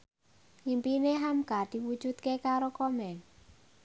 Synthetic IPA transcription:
impineɦamkad̪̥i̤wud̥ʒ̥ut̪̚kekaɾokɔmɛŋ

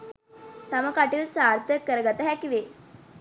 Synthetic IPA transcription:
t̪aməkaʈilsaɾt̪ʰəkːəɾəɡat̪əɦækiʋe

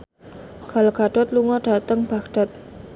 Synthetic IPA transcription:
ɡ̥alɡ̥aɖ̥ɔt̪̚luŋɔɖ̥a̤t̪əŋb̥aɡɖ̥a̤t̪̚

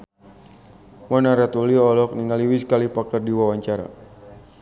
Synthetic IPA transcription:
mɔnaɾat̪uliɔlɔk̚niŋaliwiskalipakərdiwawaɲt͡ʃaɾa̰

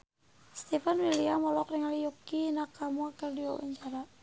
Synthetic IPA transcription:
st̪ɛfanwiliamɔlɔkrɛŋalijukinakamuakərdiwa̰ba̰ɲt͡ʃaɾa

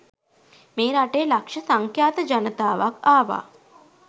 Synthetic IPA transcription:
meːɾaʈejːlakʂɐsaŋkʰjaːt̪əd͡ʒanət̪aːʋakaːʋa̰ː

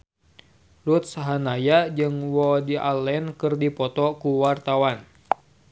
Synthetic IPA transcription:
lut̪̚saɦanajad͡ʒɨŋwɔdiʔa̰lɛnkɨrdipɔt̪ɔkuwart̪awan

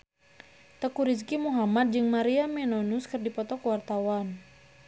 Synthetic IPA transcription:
t̪əkuɾis̬kimuɦamat̪̚d͡ʒɨŋmaɾiamɛnɔnuskɨrdipɔt̪ɔkəwart̪awan

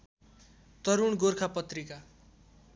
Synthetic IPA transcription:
t̪ʌɾuɳɡorkʰapʌt̪rika

